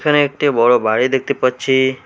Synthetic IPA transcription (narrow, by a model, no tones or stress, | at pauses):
kʰəneek̚ʈebɔɭobʱaɭid̪ek̚ʰt̪ipət͡ʃʰi